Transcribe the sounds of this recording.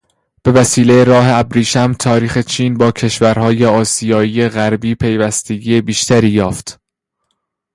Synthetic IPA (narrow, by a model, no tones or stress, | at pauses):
b̥e̞væsiːlejeɾɒːɦeæbɾiːʃæmt̪ʰɒːɾiːxe̞t͡ʃʰiːnbɒːcʰe̞ʃvæɾhɒːje̞ɒːsijɒːiːeɣæɾbiːpʰe̞jvæst̪ʰe̞ɡije̞biːʃt̪ʰæɾiːjɒːft̪